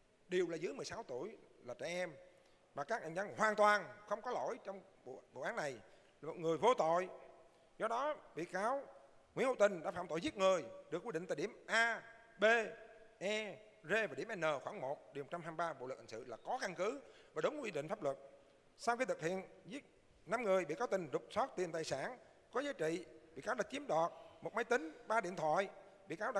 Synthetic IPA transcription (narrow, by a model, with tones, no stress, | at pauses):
ɗi˨˩əwlaː˨˩zɨ̰˨˦jm˨˩əsaː˨˦wt̪u˧˩əjlaː˨˩t͡ɕa̰˧˨ʔɛ˧m | maː˨˩kaː˦˥k̚ha˨˩ŋ̟a˧ŋhwaː˨˩nt̪waː˨˩nxə˧wŋ͡mkɔ˨˦lo̰˧˥˨jt͡ɕɔ˧wŋ͡m̰ | vo̰˧˨ʔaː˨˦nːa˨˩j | ŋɨ˨˩əjvo˧t̪o̰˧˨j | zɔ˧ɗɔ˨˦ɓḭ˧˨kaː˨˦wŋwḭ˧˥nho̰˧˩t̪ï˨˩ŋ̟ɗa̰ː˧˥faː˧˩mt̪o̰˧˨jzi˦˥t̚ŋɨ˨˩əjɗɨ˨˩ək̚wi˦˥˩ɗï˧˨ŋt̪aː˨˩ɗi˧˩əmʔaː˧ | ɓe˧ʔɛ˧ | ze˧vaː˨˩ɗi˧˩əmʔɛ˧nəː˨˩xwaː˧˩ŋmo˨˩t̚ɗi˨˩mo˨˩t̚t͡ɕa˧mɦaː˧mɓaː˧ɓo̰˧˨lə˨˩a˨˩ŋsɨ̰˧˨laː˨˩kɔ˨˦ka˧ŋkɨ˨˦vaː˨˩ɗə˨˦wŋ͡mɗï˧˨ŋ̟faː˦˥p̚lwə˨˩t̚ | sa˧wxi˧t̪ʰɨ˨˩k̚hʰḭ˧˨ənzi˦˥t̚ | na˧mŋɨ˨˩əjɓḭ˧˨kaː˨˦wt̪ï˨˩ŋ̟zʊ˨˩k͡p̚sɔ˦˥t̚t̪i˨˩mt̪aː˨˩jsaː˧˩n | kɔ˨˦zaː˨˦jt͡ɕḭ˧˨ɓḭ˧˨kaː˨˦wɗə˨˩t͡ɕi˨˦əmɗɔ˨˩t̚mo˨˩t̚mə˨˦jt̪ï˨˦ŋ̟ɓaː˧ɗḭ˧˨t̪ʰwa̰ː˧˨j | ɓḭ˧˨kaː˨˦wɗa˨˦